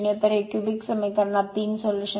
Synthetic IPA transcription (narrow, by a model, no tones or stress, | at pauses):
ɳjɐt̪ɐɾeːkjubiksɐməjkɐɾɳaːt̪iːnsoljuʃə